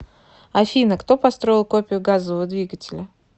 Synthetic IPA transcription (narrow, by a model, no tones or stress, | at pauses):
ɐfʲinəkt̪o̞pɐst̪ɾo̞ɪlˠko̞pʲɪʊɡazəvəvəd̪vʲiɡətʲɪlʲə